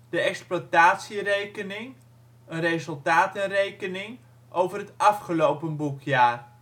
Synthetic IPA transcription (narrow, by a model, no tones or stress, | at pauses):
d̥əɛksplataːtsirejkənɪŋ | ənrejzəlˠtaːtənrejkənɪŋ | ʔowvərɦətɑfχəlowpənbukʰjaːr